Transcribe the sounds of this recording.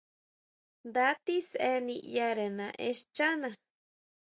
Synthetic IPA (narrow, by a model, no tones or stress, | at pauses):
nd̪at̪iseniʔjaɾenãʔeʃt͡ʃanã